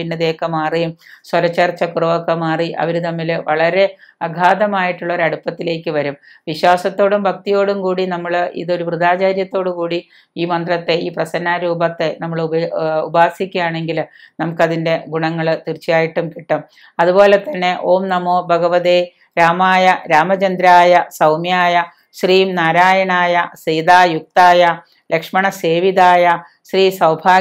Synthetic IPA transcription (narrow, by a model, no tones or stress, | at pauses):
inːɐðeːkːɐmaːrimswɐlɐt͡ɕːɐrt͡ɕːɐkurɐʋoːkːɐmaːriʔɐ̰ʋɐɾut̪ɐmːilʋɐɭɐɾe̞ | ɐɡʱaːd̪ɐmaːjiʈːuɭːoːɾɐɽupːɐt̪ːile̞ːkːɨʋɐɾum | ʋiɕwaːsɐt̪ːo̞ːɽumbʱɐk̚t̪ijo̞ːɽumkuːɽinɐmːɐɭḭðo̞ɾubruðaːt͡ɕaːɾjɐt̪ːo̞ːɽumkuːɽi | iːmɐnd̪rɐt̪ːe̞iːprɐsɐnːaːɾuːbɐt̪ːe̞nɐmːɐɭṵbaːsikʲːujaːɳe̞ŋɡilnɐmukːɐðinde̞ɡuɳɐŋːɐɭt̪irt͡ɕːijaːjiʈːumkiʈːum | ɐðubo̞ːle̞t̪ːɐnːe̞ʔo̞ːmnɐmoːbʱɐɡɐʋɐðe | ɾaːmaːjɐɾaːmɐt͡ɕɐnd̪ɾaːjɐsɐwmjaːjɐ | ɕriːmnaːɾaːjɐɳaːjɐsiːd̪aːjuk̚t̪aːjɐ | lekʂmɐɳɐse̞ːʋiðaːjɐ | ɕriːsɐwbʱaː